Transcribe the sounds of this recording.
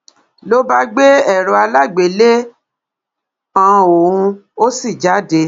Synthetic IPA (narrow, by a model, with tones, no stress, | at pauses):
lo˦ba˦ɡ͡be˦ɛ˦˨ɾ̃ɔ̃˧a˧la˦˨ɡ͡be˨le˦ | ã˨˧o˨ũ˧o˦si˦˨d͡ʒa˨˦de˧